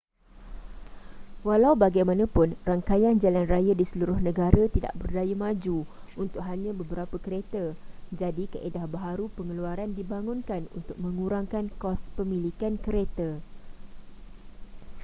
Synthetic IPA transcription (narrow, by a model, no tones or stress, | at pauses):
walawbaɡajmãnãpʊnraŋkajand͡ʒalanrajadisəluɾʊhnə̃ɡaɾat̪ida̰ʔbərdajamãd͡ʒuunt̪ʊk̚ɦaɲãbəbəɾapəkəɾet̪ad͡ʒadikəʔedahbaɦaɾupəŋəluaɾandibaŋʊ̃nkanṵnt̪ʊk̚mə̃ŋũɾaŋkankɔspəmĩlikankəɾet̪a